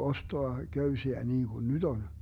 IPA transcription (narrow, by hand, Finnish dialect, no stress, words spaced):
ostoɑ køysiæ niːŋɡ̊un nyt on